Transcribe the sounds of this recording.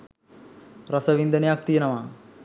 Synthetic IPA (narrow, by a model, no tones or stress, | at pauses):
ɾɐsɐʋind̪ɐnjaːk̚t̪ijɐnɐmaː